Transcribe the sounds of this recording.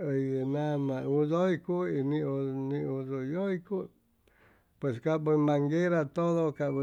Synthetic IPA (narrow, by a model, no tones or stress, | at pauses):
əienãmãuðoikuinĩonĩuðojoiku | pweskabɨmãŋɡeɾat̪oðokaʔbɨ